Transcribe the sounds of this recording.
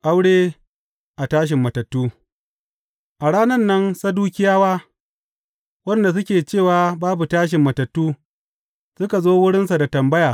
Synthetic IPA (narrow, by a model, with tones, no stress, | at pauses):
ʔa˦wɽeː˦ | ʔa˨taː˦ʃ̬ɪ˨mːɐ˨tɐ˨tːuː˦ | ʔa˨ɽaː˦nɐ˦nːɐ˦nsɐ˦duː˦kʲɪ˦jaː˦waː˦ | wɐ˦nda˨s̬ʊ˦kʲeː˨t͡ʃeː˦˨waː˨baː˦bu˨taː˦ʃ̬ɪ˨mːɐ˨tɐ˨tːuː˦ | sʊ˦ka˨zoː˦wʊ˦ɽɪ˦ns̬a˨da˨tɐ˨mbɐ˦jaː˨